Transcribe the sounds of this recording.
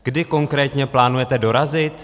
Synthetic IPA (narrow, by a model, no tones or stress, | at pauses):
ɡ̥dɪko̞ŋkɾɛːt̪ɲɛplaːnujɛt̪ɛdo̞ɾazɪt̪